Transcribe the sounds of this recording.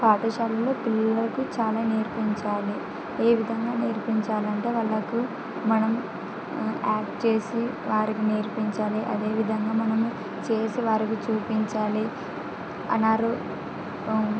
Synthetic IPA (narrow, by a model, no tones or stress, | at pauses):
paːʈ̪ɐʃaːlɐlo̞ːpilːɐlɐkut͡ʃaːlaːneːɾpiɲt͡ʃaːli | e̞ːʋid̪ʱɐŋɡaːneːɾpiɲt͡ʃaːlɐɳʈe̞ːʋɐɭːɐku | mɐnɐm | aːkʈt͡ʃe̞ːsi | ʋaːɾikineːɾpiɲt͡ʃaːliʔɐ̰d̪e̞ːʋid̪ʱɐŋɡaːmɐnɐmu | t͡ʃe̞ːsiʋaːɾikit͡ʃuːpiɲt͡ʃaːli | ɐ̰nːaːɾu